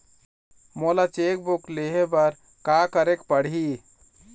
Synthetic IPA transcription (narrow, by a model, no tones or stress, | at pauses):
molat͡ʃek̚bukleɦebəɾ | kakəɾekpəɽ̤ɦi